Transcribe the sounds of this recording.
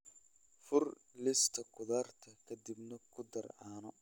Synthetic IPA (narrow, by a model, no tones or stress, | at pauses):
fʊr | lɪst̪ʰɐkʰʊðaːrt̪ʰɐkʰɐd̪ibnɐkʰʊd̪ɐrʕaːnɔ